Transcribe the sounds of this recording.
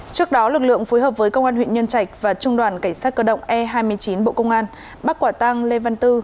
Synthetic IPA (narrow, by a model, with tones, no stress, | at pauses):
t͡ɕɨ˦˥ək̚ɗɔ˨˦lɨ˨˩k̚lɨ̰˧˨əŋfo˨˦jɦəː˨˩p̚vəː˨˦jkə˧wŋ͡mʔaː˧nhwḭ˧˨nɲə˧nt͡ɕa˨˩jk̟̚vaː˨˩t͡ɕʊ˧ŋ͡mɗwaː˨˩nka˧˩ŋsaː˦˥t̚kəː˧˩ɗə̰˧˨wŋ͡mʔɛ˧ɦaː˧jmɨ˧əjt͡ɕi˨˦nɓo̰˧˨kə˧wŋ͡mʔaː˧n | ɓa˦˥kwaː˧˩t̪a˧ŋle˧va˧nt̪ɨ˧